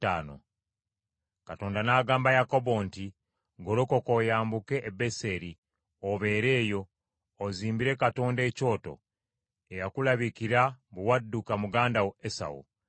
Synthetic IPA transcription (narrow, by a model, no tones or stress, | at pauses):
aːno̰ | kato̞ːndanaːɡaːmbajako̞bo̞ːnti | ɡoɾokokojaːmbuke̞ʔːbe̞se̞ɾi | oβe̞ːɾe̞ːjo̞ː | ziːmbiɾe̞kato̞ːnde̞co̞ːto̞̰ | ejakulaβikiɾaβuwadːukamuɡaːndawesa̰wṵ